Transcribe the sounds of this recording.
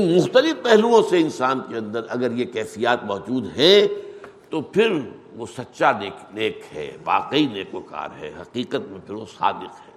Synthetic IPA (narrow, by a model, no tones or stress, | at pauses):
mʊxt̪əlɪfpɛɦluõseɪnsaːnkeɐ̃nd̪əɾɐɡəɾjekɛːfijaːt̪mɔːd͡ʒuːd̪ɦɛ̃ | t̪opʰɪɾʋosɐt̪ːʃaneːneːkɦɛ̰ːʋa̰ːqeineːkʋoka̰ːɾɦɛ̰ːɦɐqiːqət̪̚mẽpʰɪɾʋosa̰ːb̪ɪqɦɛː